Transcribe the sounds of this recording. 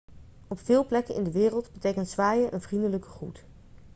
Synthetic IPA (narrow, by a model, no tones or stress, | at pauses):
ɔpfɪːlˠplɛkənʔɪ̰ndəʋɪːrəlˠdbətejkəntsʋaːjəʔənvrindələkəχrut